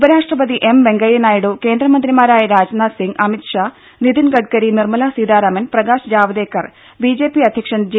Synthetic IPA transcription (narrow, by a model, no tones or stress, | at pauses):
ubɐɾaːʂʈrɐpɐd̪iʔemʋe̞ŋɡɐjɐnaːjiɽuke̞ːnd̪ɾɐmɐnd̪ɾimaːɾaːjɐɾaːd͡ʑnasiŋɡɐmit̪ʂa | nid̪inɡɐʈ̚kɐɾinirmɐlasiːd̪aːɾɐmɐnprɐɡaːʂd͡ʑaːʋɐd̪eːkːɐr | biːd͡ʑe̞ːpiɐd̪ʱjɐkʂɐnd͡ʑ